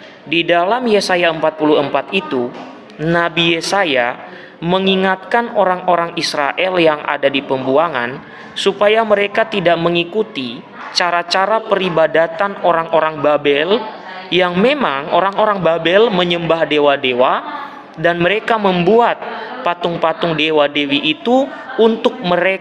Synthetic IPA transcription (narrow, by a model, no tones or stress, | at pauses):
didalamjesajaəmpat̪̚puluəmpat̪it̪u | nabijesaja | məŋiŋat̪̚kanoɾaŋoɾaŋisɾaʔɛljaŋʔa̰dadipəmbuaŋa̰n | supajaməɾekat̪idaʔməŋikut̪i | t͡ʃaɾat͡ʃaɾapəɾibadat̪anoɾaŋʔoɾaŋbabɛl | jaŋmemaŋoɾaŋoɾaŋbabɛlməɲəmbahdewadewa | danməɾekaməmbuat̪̚pat̪ʊŋpat̪ʊŋdewadewiʔːt̪uː | nt̪ʊk̚məɾe